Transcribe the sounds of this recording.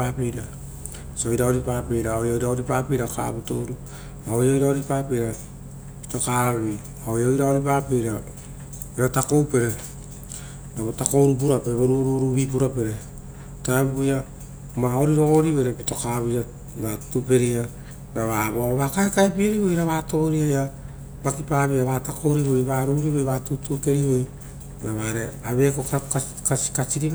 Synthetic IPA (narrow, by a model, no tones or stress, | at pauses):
apeɾa | sojɾaoɾipape̞jɾaojojɾaoɾipaːpejɾaka̰βuto̞ɾu | aojojɾaoɾipaːpeɾa | pi̥to̞kaβi | aojojɾaoɾipaːpejɾa | eɾatako̞wpe̞ɾe | naotako̞wɾup̬uɾapeɾeβoɾuɾuɾuβipuɾape̞ɾe | taeββoja | maoɾiɾo̞ɡoɾiβo̞jɾepito̞kaβia | natupe̞ɾia | naβaβoβakaekaepieɾiβojɾaβaːtoɾiaja | bakipaːβiaβatakʰo̞wɾiβojβaːɾuɾiβojβatutuke̞ɾiβoj | naβaɾe̞aβe̞kokak | kakat͡ʃiɾi